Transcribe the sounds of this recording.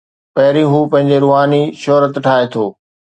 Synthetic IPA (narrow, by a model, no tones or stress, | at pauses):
pɐɦɪɾĩɦuːpɐ̃ɦɪ̃ɲd͡ʑeɾʊɦaːniʃɔːɾət̪ʈʰaːet̪ʰoː